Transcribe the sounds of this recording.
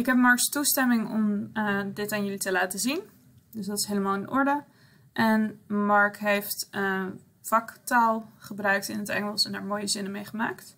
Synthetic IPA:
ɪkɦɛp̚mɑɹkstustɛmɪŋɔ̰mdɪtanjɵlitəlaːtəzin | dɵsdɑtɪ̥sɦejləmaːlˠɪnʔɔɹdə | ʔɛnmɑɹkɦejft | fɑktalˠχəbrœɥktɪnətɛ̰ŋəlˠsɛndaːɹmoːjəzɪnəmejχəmaːkt

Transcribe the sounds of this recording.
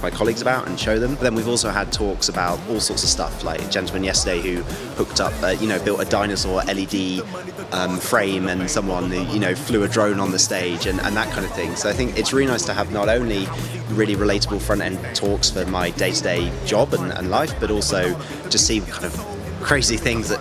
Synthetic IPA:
maɪkʰɒlˠiɡzəbaʊtə̰̃nʃəʊðə̃mbəðə̃nwivɔˑlˠsoʊəd̚tʰɔˑksəbaʊtɔːlˠsɔˑtsəv̥stʌ̰fla̰ɪk̚d̥ʒ̥ɛ̃ntˡlˠmə̃njɛstədeɪhʉ | pʰʊk̚tʌ̰p̚ʌjɨnoʊbɪlˠtədaɪ̃nəsə˞ʔɛlidi | ʔʌ̃mfɹẽɪ̃mə̃nsʌ̃mwɒ̃nhʉjɨnoʊflʉədɹə̃ʊ̃nə̃nðəsteɪd͡ʒɨ̃nʔə̰̃nðət̚ʔkʰãɪ̃ndəv̥θɪ̃ŋsoʊaɪθɪ̃ŋkɪtsɹɪːlinaɪstʰəəvnəɾõʊ̃nli | ɹɪːliɹɪleɪtəbəlˠfɹʌ̃ntɛ̰̃ntʰɔˑksfəmaɪdeɪtʰədeɪd͡ʒɒbə̃nə̰̃nlaɪfb̥ʌɾɔˑlˠsoʊ | d̥ʒ̥ʌstsikʰãɪ̃ndəv̥ | kʰɹ̥eɪziθɪ̃ŋzðət

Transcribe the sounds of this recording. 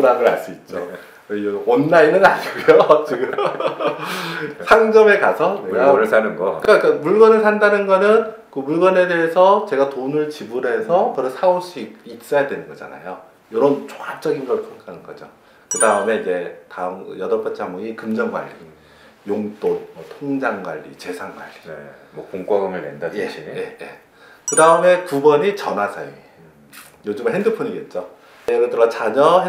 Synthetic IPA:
uɾaɡɯɭa̰ɭs͈uit̚t͡ɕ͈o | ʌnːainɯnaɲiɡujot͡ɕiɡɯm | sʰaŋd͡ʑʌme̞kasʰʌekasanɯnɡʌkɯk͈ak͈amuɭɡʌnɯɭsʰandanɯnɡʌnɯnkɯmuɭɡʌne̞deesʰʌt͡ɕe̞ɡatonɯɭt͡ɕibuɾɦe̞sʰʌkɯɾʌsʰauɭɕ͈ʰiɡ̚it̚s͈ʌjadwe̞nɯnɡʌd͡ʑa̰na̰jo | joɾʌnt͡ɕʰo̥ŋap̚t͡ɕ͈ʌɡinɡʌɭkʰjʌŋkʰanɯnɡʌd͡ʑo̰ | kɯdaɯme̞id͡ʑe̞taɯjʌdʌɭp͈ʰʌt͡ɕʰamuɡikɯmd͡ʑʌŋɡwa̰ɭːi | joŋt͈onmwʌtʰoŋd͡ʑaŋɡwaʎːḭt͡ɕe̞sʰaŋɡwa̰ɭːimʌkoŋk͈waɡɯŋɯɭnendajeijeje | kɯdaɯme̞kubʌɲit͡ɕʌnɦasʰʌjo | jod͡ʑɯmɯɦendɯpʰɯɲiɡe̞t̚t͡ɕ͈o | eɾɯdɯɾʌt͡ɕaɲʌɦe

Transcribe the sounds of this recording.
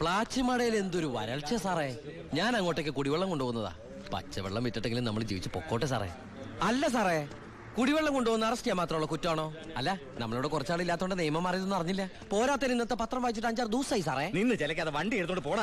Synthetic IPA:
pɭaːt͡ɕːɨmɐɽɐjile̞nd̪o̞ɾuʋɐ̰ɾɐɭt͡ɕːɐsaːre | ɲaːnɐŋːo̞ːʈːekːɨkuɽiʋeɭːɐmko̞ɳɖuʋoːɣunːɐða̰ː | pɐ̰t͡ɕːɐʋḛɭːɐmʋitːiʈːe̞ŋɡilumnɐmːɐɭd͡ʑḭːʋit͡ɕːɨpo̞kːo̞ːʈːes̬a̰ːrḛ | ɐlːɐs̬aːre | kuɽiʋeɭːɐmko̞ɳɖuʋoɣunːɐɐrɐsʈijamːaːt̪rɐmuɭːɐkutːaːɳo̞ː | ɐlːɐ | nɐ̰mːɐɭoːɽekurɐt͡ɕːaːɭilːaːt̪ːooɳɖɨnejɐmɐmaːrɐjiðonːɐrɐɲːilːɐ | po̞ːɾaːt̪ːɐninːɐt̪ːɨpɐt̪rɐmʋaːit͡ɕːiʈːɐɲd͡ʑaːrd̪uːsaːjis̬aːreninːɨt͡ɕelɐk̬ʲːɐðɨʋɐɳɖieɾut̪ːoɳɖɨpoːɽa

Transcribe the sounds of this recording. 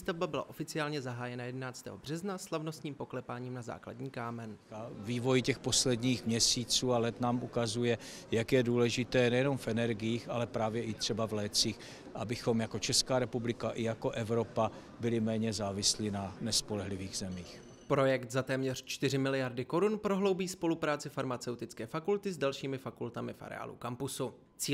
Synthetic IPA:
ist̪avbabɪla̰ʔo̞fɪt͡sɪaːlɲɛzaɦaːjɛnajɛdɛnaːt͡st̪ɛ̰ːɦo̞br̝̥ɛznaslavno̞st̪ɲiːmpo̞klɛpaːɲiːmnaza̰ːkla̰dɲiːkaːmɛnaviːvo̞jcɛxpo̞slɛdɲiːxmɲɛsiːt͡suːalɛt̪naːmʔukazujɛ | jakjɛduːlɛʒɪt̪ɛːnɛjɛno̞mfʔɛnɛɾɡɪjiːxʔalɛpɾaːvjɛʔɪt̪r̝̥ɛbavlɛːt͡siːx | ʔabɪxo̞mjakot͡ʃɛskaːɾɛpublɪkaʔɪjako̞ʔɛvɾo̞pa | bɪlɪmɛːɲɛzaːvɪslinanɛspolɛɦlɪviːɣzɛmiːx | pɾo̞jɛkt̪zat̪ɛːmɲɛr̝̥t͡ʃt̪ɪrɪmɪlɪjaɾdɪko̞ɾunpɾoɦlo̞wbiːspo̞lupɾaːt͡sɪfaɾmat͡sɛwt̪ɪt͡skɛːfakult̪ɪzdalʃiːmɪfakult̪amɪfa̰ɾɛ̰a̰ːlṵkampʊsu | t͡siː

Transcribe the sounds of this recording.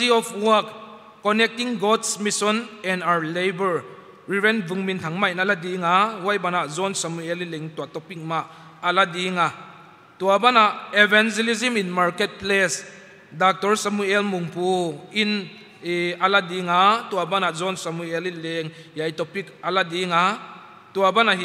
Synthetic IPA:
iɔfwɔkː | ɔnɛk̚tiŋɡɔdsmisɔnɛnawlejbəɹ | ɹivɛnvuŋmint̪ʰaŋmaʔinaladiŋawajbanazɔnsamuelileŋt̪uat̪ɔpik̚maʔ | aladiŋa | t̪uabanaʔevand͡ʒɛliziminmaɾkɛt̚ples | dak̚tɔɾsamuɛlmuŋpuin | aladiŋat̪uabanazɔnsamuelileŋjajtɔpik̚aladiŋa | t̪uabanaɦi

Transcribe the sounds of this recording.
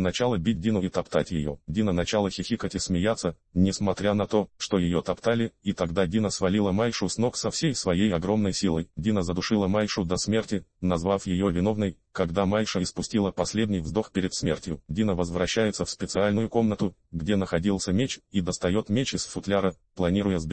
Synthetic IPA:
nɐt͡ɕalˠəbʲit̚ʲdʲinʊɪt̪ɐpt̪atʲjɪ̰jo̰dʲinənɐt͡ɕalˠəxʲɪxʲikətʲɪsmʲɪjat̪sːə | nʲɪsmɐt̪ɾʲanɐt̪o̞ʂt̪o̞jɪjo̞t̪ɐpt̪alʲɪit̪ɐɡd̪adʲinəsvɐlʲilˠəmajʂʊsno̞ksɐfsʲejsvɐjejɐɡɾo̞mnəjsʲilˠəjdʲinəzəd̪ʊʂɨlˠəmajʂʊd̪ɐsmʲe̞rtʲɪnɐzvafjɪjovʲɪno̞vnəj | kɐɡd̪amajʂəɪspʊsʲtʲilˠəpɐsʲlʲed̪nʲɪjvzd̪o̞xpʲɪɾʲɪt̪smʲe̞̰rtʲjʊdʲinəvəzvɾɐɕːæjɪt̪səfspʲɪt̪sɨalʲnʊjʊko̞mnət̪ʊɡdʲenəxɐdʲilˠsʲəmʲet͡ɕid̪əst̪ɐjo̞t̪mʲet͡ɕɪsfʊt̪lʲaɾə | plˠɐnʲiɾʊjəzbʲ

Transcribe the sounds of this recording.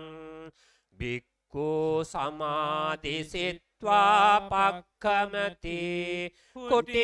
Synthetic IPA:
bʱikːusɐmaːd̪isit̪ʋapɐkʰːɐmɐt̪i | kuʈi

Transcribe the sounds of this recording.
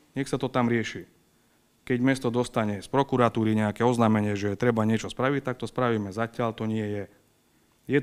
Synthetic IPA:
ɲɛxsat̪ɔt̪amɾɪɛʃi | kɛɟmɛst̪ɔd̪ɔst̪aɲɛspɾɔkuɾat̪uːɾiɲɛakɛɔznaːmɛɲɪɛʒɛɛt̪ɾɛbaɲɪɛt͡ʃɔspɾaʋic̚t̪ak̚t̪ɔspɾaʋiːmɛzacɪaʎt̪ɔɲɪɛjɛ | jɛ

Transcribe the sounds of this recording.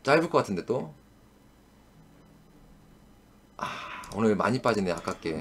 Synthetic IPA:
t͡ɕ͈aɭbuk͈ʌk͈atʰɯndet͈o | aonɯɭma̰ɲip͈ad͡ʑindea̰k͈ak͈e̞̰

